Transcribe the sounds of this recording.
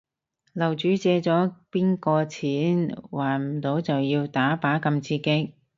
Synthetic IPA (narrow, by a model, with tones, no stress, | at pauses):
lɐ˨˩wt͡ʃyː˨˥t͡sɛː˧t͡sɔː˨˥piː˥nkɔː˧t͡sʰiː˨˥nwaː˨˩nm̩˨˩t̪o˨˥wt͡sɐ˨wjiː˧wt̪aː˨˥paː˨˥kɐ˧mt͡sʰiː˧kɪ˥k̚